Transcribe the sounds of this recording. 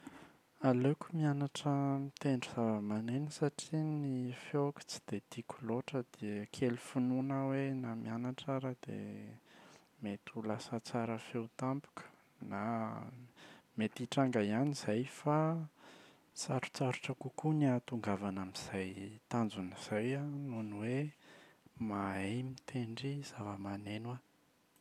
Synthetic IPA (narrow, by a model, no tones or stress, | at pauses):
alekumianaʈ͡ʂəmit̪eɳɖ͡ʐuz̥avəmanenisaʈ͡ʂinifjokə̥t͡si̥d̪̥ed̪ikʲuloʈ͡ʂəd̪̥eəkʰelufununawenamianaʈ͡ʂaɾad̪ḛ | met̪ulasət͡saɾəfewt̪ampu̥kə̥ | na | met̪iʈ͡ʂaŋɡaianiz̥ajfa | t͡saɾu̥t͡saɾuʈ͡ʂəkukuniat̪uŋɡavanamiz̥ajt̪and͡zuniz̥ajanuniwe | maejmit̪ʰeɳɖ͡ʐiz̥avəmanenwa